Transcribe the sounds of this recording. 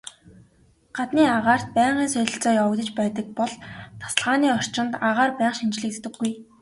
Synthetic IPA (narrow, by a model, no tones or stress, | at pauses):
ɢ̥at̪niːaʁaːr̥t̪̚pæːɴɢiːnsœɮʲɪ̆ɬt͡sɔːjawkt̪ɘ̆t͡ɕpæːt̪ə̆k̚pɔɮt̪ʰḁsə̆ɮʁaːniːɔr̥t͡ɕɪ̆nt̪aʁaːrpæːχʃint͡ɕɮɘ̆kt̪ʰt̪ɘ̆ɡːuj